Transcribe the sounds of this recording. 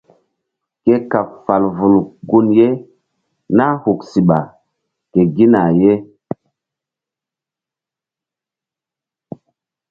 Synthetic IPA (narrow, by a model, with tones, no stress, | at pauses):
ke˦ka˨pfa˨lvu˨lɡu˦nje˦ | na˦hu˨ksi˨ɓa˨ | ke˨ɡi˦na˨je˦